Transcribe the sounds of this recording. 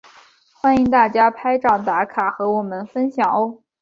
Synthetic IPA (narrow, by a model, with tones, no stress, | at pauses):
xwa˥ni˧˥ŋt̪a˥˩t͡ɕja˥pʰa˥ɪʈ͡ʂɑ˨˩ŋt̪a˧˥kʰa˨˩xɤ˧˥wɔ˨˩mə˧˦nfə˥nɕjɑ˨˩ŋo˥